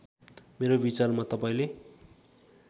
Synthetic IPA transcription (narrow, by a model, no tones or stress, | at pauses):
meɾobit͡sarmat̪ʌpaĩle